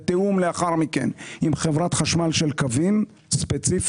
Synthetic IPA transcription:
t̪eumleaχaʁmikḛnimχevʁat̪χaʃmalʃelkavim | spet͡sif

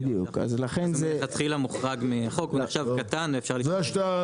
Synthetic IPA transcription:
juka̰zlaχenzeat̪χilamuχʁaɡmiaχokuneχʃavkat̪anefʃaʁlizeaʃta

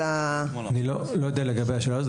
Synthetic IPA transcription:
a | anilo | lojo̞d̪ealeɡabejaʃela

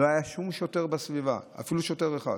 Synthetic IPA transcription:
oajaʃumʃote̞ʁbasviva̰a̰filuʃote̞ʁeχa̰

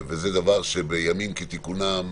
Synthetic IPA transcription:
vezed̪avaʁʃebejamimket̪ikunam

